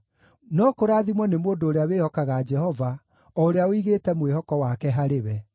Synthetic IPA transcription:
nɔkoɾaːðimwɔnemoːndoːɾeawehɔkaɣad͡ʒɛhɔva | ɔoɾeaoiɣeːtɛmwehɔkɔwakɛɦaɾewɛ

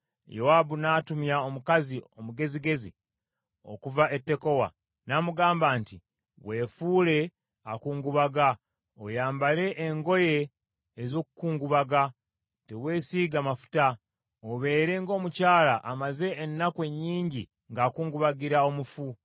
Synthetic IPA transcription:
jowabunaːtumjao̞mukaziomuɡe̞ziɡe̞zi | o̞̰kuvaʔe̞tːe̞ko̞wa̰ | namuɡaːmbaːnti | βwe̞ːfuːle̞ | akuːŋɡuβaɡa | ojaːmbale̞ʔːŋɡo̞je̞ː | zo̞ːkukuːŋɡuβaɡa | teβwe̞ːsiːɡamafu̥ta | oβe̞ːɾe̞ŋɡo̞ːmucaːlaʔamaze̞ːnːakwe̞ɲːiːɲɟi | ŋɡaːkuːŋɡuβaɡiɾao̞mufu

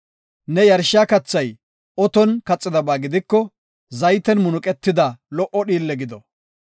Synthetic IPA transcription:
nɛjɐɾʃaːkɐt͡sːɐj | ɔt̪ɔnkɐt͡sʼːɪd̪ɐbaːɡɪd̪ɪkːɔ | zɐjt̪ɛnmʊnʊkʼɛt̪ːɪd̪ɐlɔʔɔɗiːlːɛɡɪd̪ɔ

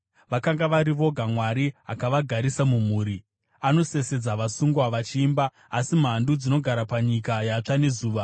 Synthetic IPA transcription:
ʋakaŋɡaʋaɾiʋo̞ɡʱamwaɾiɦa̰kaʋaɡʱaɾisamum̤uːɾi | ano̞se̞se̞d͡zaʋasuŋɡwaʋat͡ʃiːmbaː | sim̤andud͡zino̞ɡʱaɾapaɲikajat͡ʂane̞zuːʋa

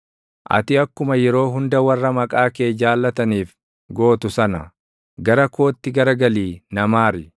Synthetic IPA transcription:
ʔɐ̰t̪ɪɐkːʊmɐjɛɾo̞ːɦʊnd̪ɐwɐrːɐmɐkʼaːkeːd͡ʒaːlːɐt̪ɐniːf | ɡo̞ːt̪ʊsɐnɐ | ɡɐɾɐko̞ːt̪ːɪɡɐɾɐɡɐliːnɐmaːɾɪ

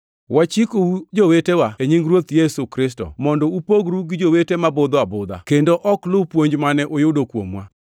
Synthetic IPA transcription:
wat͡ʃikoud͡ʒowetewaeɲiŋɡɾwot̪jesukɾɪstɔ̰mɔndɔupoɡɾuɡɪd͡ʒowetemabʊd̪ɔabʊd̪a̰kendoʔɔklʊpwoɲd͡ʒmanɛʔojʊdokwo̰mwa̰

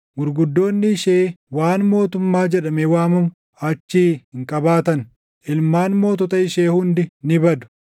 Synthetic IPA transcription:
mʊɾɡʊd̪ːo̞ːnːɪɪʃeːwaːnmo̞ːt̪ʊmːaːd͡ʒɛᶑɐmɛwaːmʊm | ɐt͡ʃːiːhɪŋkʼɐbaːt̪ɐn | ʔɪlmaːnmo̞ːt̪ɔt̪ɐɪʃeːhʊnd̪ɪnɪbɐd̪ʊ̥

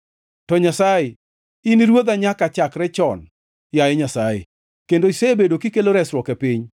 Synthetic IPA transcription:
tɔɲasajɪ | iniɾwod̪aɲakat͡ʃakɾɛt͡ʃɔn | jajɛɲasajɪ̰ | kendoiseebedokikeloɾɛsɾwɔkɛpɪɲ

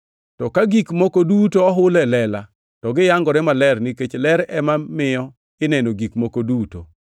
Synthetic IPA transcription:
tɔkaɡikmɔkodutoɔɦʊlɛlɛla | tɔɡɪjaŋɡɔɾɛmalɛrniket͡ʃlɛɾɛmamɪjɔ | ɪnɛnoɡikmokoduto̰

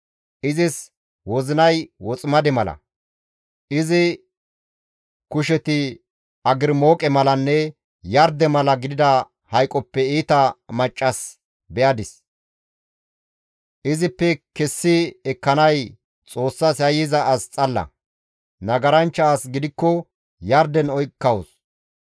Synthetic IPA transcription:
ʔɪzɪs | wɔzɪnɐjwɔt͡sʼmɐd̪ɛmɐlɐ̰ | ʔɪzɪ | kʊʃɛt̪ɪ | ɐɡɪɾmo̞ːkʼɛmɐlɐnːɛ | jɐɾd̪ɛmɐlɐɡɪd̪ɪd̪ɐ | hɐjkʼɔpːɛiːt̪ɐmɐt͡ʃʼːɐs | bɛʔɐd̪ɪs | ʔɪzɪpːɛkɛsːɪɛkːɐnɐj | t͡sʼo̞ːsːɐsɐjɪzɐʔːst͡sʼɐlːɐ̰ | nɐɡɐɾɐnt͡ʃːɐːsɡɪd̪ɪkːɔ | jɐɾd̪ɛnɔjkːɐwɔs

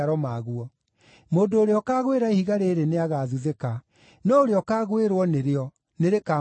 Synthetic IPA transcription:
aɾɔmaɣuɔ | moːdoːɾeɔkaːɣweɾaehiɣaɾeɾeneaɣaːðuðeka | nɔoɾeɔkaːɣweɾwɔneɾeɔ | neɾeka

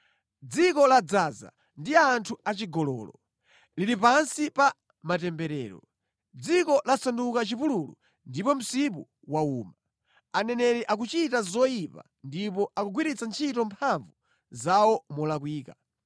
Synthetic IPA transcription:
d͡zikɔlad͡zaza̰ | ndiantʰuat͡ʃiɡɔlɔ̰ːlɔ | liɾipansipa | matɛmbɛɾɛ̰ːɾɔ̰ | d͡zikɔlasandukat͡ʃipululṵ | ndipɔm̩sip̬u | wauːma | anɛnɛɾɛʔak̬ut͡ʃitazɔipa̰ | ndipɔʔakuɡwiɾit͡sant͡ʃʰitɔmpʰaɱvu | zawɔmɔlakwiːka

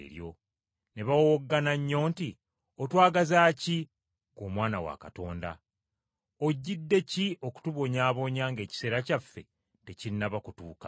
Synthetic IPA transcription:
ɾjo̞̰ | ne̞βawooɡːanaɲːo̞ːnti | otwaːɡazaːci | komwaːnawa̰kato̞ːnda̰ | o̞ɟːidːe̞ciʔo̞ku̥tuβo̞ɲaːβo̞ɲaːŋɡe̞ːci̥se̞ːɾacafːe̞̰ | te̞ciinaβakutuːkḁ

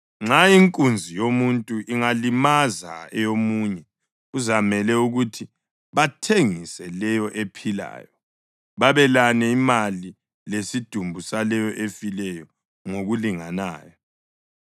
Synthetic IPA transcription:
ŋ͡ǁaiŋkʼund͡zʱijomuntʼuʔiŋalimaza̰ɛjomuːɲɛ | uzamɛlɛuɣutʰi | βatʰeŋisɛlɛjɔʔepʰila̰ːjɔ | βaβɛlanɛimali | lesid̥ʱumbʱusalɛjɔʔefilɛjɔ | ŋoɣuliŋanaːjɔ

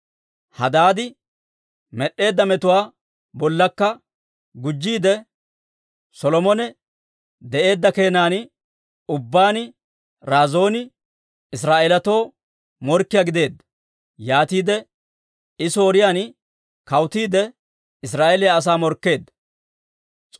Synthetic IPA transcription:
hɐd̪aːd̪ɪ | mɛɗːe̞ːd̪ːɐmɛt̪ʊwaː | bɔlːɐkːɐ | ɡʊd͡ʒːiːd̪ɛ | sɔlɔmɔnɛ | d̪ɛʔe̞ːd̪ːɐke̞ːnaːn | ʊbːaːnɪ | ɾaːzo̞ːnɪ | ɪs̬ɾaːʔɛlɐt̪oː | mɔɾkːɪjaɡɪd̪e̞ːd̪ːɐ̥ | jaːt̪iːd̪ɛ | ɪso̞ːɾɪjaːn | kɐwt̪iːd̪ɛ | ɪsɾaːʔelɪjaːs̬aːmɔɾkːe̞ːd̪ːɐ̥

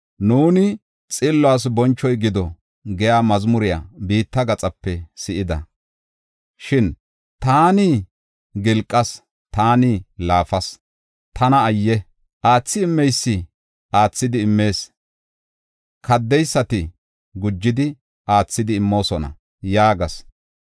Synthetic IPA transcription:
nuːnɪ | t͡sʼɪlːʊaːs̬bɔnt͡ʃːɔjɡɪd̪ɔ | ɡɛjaːmɐzmʊɾɪja̰biːt̪ːɐɡɐt͡sʼɐpːɛsɪʔɪd̪ɐ̰ | ʃɪn | t̪aːni | ɡɪlkʼːɐs | t̪aːnilaːfɐs | t̪ɐnɐːjːɛ | ʔaːt͡sːɪɪmːɛjsːɪ | ʔaːt͡sːɪd̪ɪːmːe̞ːs | kʰɐd̪ːɛjsːɐt̪ɪ | ɡʊd͡ʒːɪd̪ɪ | ʔaːt͡sːɪd̪ɪːmːo̞ːsɔnɐ̰ | jaːɡɐs

